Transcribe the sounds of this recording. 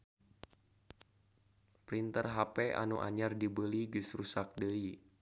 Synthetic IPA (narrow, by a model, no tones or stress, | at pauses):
pɾint̪ərɦapɛʔa̰nuʔa̰ɲardibəliɡisrusak̚dəi